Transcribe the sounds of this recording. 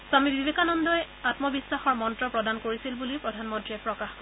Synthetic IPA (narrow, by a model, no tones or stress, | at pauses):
samibibekanɔndɔj | atmɔbisːaxɔɹmɔntɹɔpɹɔdankoɹisilbulipɹɔdʱanmɔntɹiɛpɹɔkax